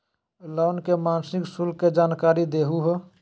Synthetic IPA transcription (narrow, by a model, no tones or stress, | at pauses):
lɔʊnkemaːnsɪksulkːed͡ʒaːnkaɾid̪eɦuɦo